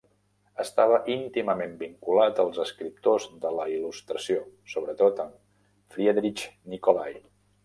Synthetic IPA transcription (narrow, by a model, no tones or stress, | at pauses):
əst̪aβ̞əʔint̪iməmembiŋkulat̪əlˠzəskɾip̚t̪ozðələilust̪ɾəsiosoβɾət̪ot̪əm | fɾiəðɾit͡ʃnikolaj